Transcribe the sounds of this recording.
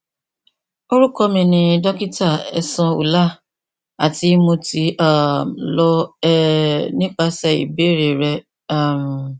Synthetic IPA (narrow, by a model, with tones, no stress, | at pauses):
o˦ɾu˦kɔ˧mĩ˧nĩ˧dɔ˦ki˦ta˦˨ɛ̰˧sɔ̃˧ṵ˨la˦ | a˨ti˧˦mõ˧ti˧˦a˦˨mlɔ˧ɛ˦nĩ˦k͡pa˧sɛ˧ḭ˨be˨˦ɾe˨ɾɛ˧ | a˦˨m˨